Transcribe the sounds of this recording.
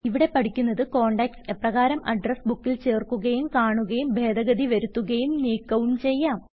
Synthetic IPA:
iʋiɽe̞pɐʈikʲːunːɐðɨko̞ːɳɖɐksepːrɐɣaːɾɐmɐɖrɐsbukːilt͡ɕe̞ːrkːuɣɐjumkaːɳuɣɐjumbʱe̞ːd̪ɐɣɐd̪iʋɐɾut̪ːuɣɐjumniːkːɐʋuɳt͡ɕe̞jːaːm

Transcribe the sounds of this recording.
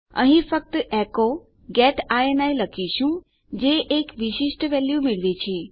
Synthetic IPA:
ə̰ɦĩfək̚t̪ʔɛko | ɡeːʈaenailəkʰiʃũ | d͡ʑeʔekʋɪʃɪʃʈʋɛljumɪɭʋet͡ɕʰeː

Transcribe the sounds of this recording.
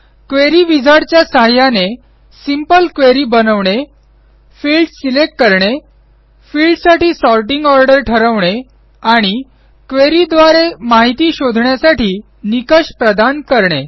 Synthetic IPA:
kʋeɾiʋid͡zʱaɽt͡ɕjasaɦjane | simpəlkʋeɾiːbənəʋɳe | fiːlɖsilek̚ʈkəɾɳe | fiːlɖsaʈiːsɔlʈiŋɡɔɾɖəɾʈʰəɾəʋɳe | aɽ̃i | kʋeɾid̪ʋaɾemaɦit̪iːɕod̪ʱɳjasaʈʰiː | nikəɕpɾəd̪ankəɾɳe

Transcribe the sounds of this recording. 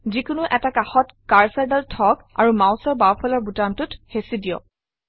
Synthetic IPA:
zikʊnʊʔɛtakaxɔtkaɹsadaltʰɔka̰ɹumawsɔɹbawpʰɔlɔɹbutamtʊthesidijɔ̰

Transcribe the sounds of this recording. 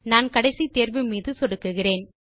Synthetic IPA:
naːnkɐɽɐɪsit̪eːɾʋɯmiːðɯsɔɽɯkːɯɣɪreːn

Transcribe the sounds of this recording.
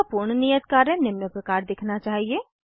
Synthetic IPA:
puɾɳnijət̪kaːɾẽnɪmnəpɾɐkaːɾd̪ɪkʰnat͡ʃaːɦieː

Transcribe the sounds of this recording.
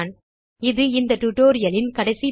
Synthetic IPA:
n | ɪðɯɪnd̪ɐʈʊʈoːɾɪjɐlɪnkɐɽɐɪsi

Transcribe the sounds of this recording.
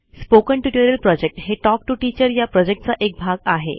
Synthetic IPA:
spokəɳʈuʈoɾəlpɾɔd͡ʑek̚ʈɦeʈɔk̚ʈuʈit͡ɕəɾjapɾɔd͡ʑek̚ʈt͡saʔek̚bʱaɡaɦḛ

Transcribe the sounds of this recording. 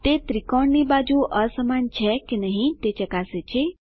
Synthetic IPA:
t̪et̪ɾikɔɳnibad͡ʒuʔəsəmant͡ʃʰɛkinəɦĩt̪et͡ʃəkaset͡ʃʰe

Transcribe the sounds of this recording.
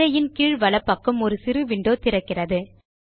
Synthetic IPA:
ɐjɪnkiːɻʋɐɭɐpːɐkːɯmɔɾɯsɪɾɯʋɪɳɖoːt̪ɪɾɐkːɪrɐðɯ

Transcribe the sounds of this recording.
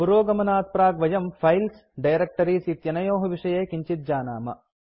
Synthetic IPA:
puɾoːɡɐmɐnaːt̪̚pɾaːɡʋɐjɐmpʰɐjls | ɖɐjɾek̚ʈɐɾiːsit̪jɐnɐjoːɦɐʋiʂɐjeːkiɲt͡ʃit̪̚d͡ʒaːna̰ːmɐ̰

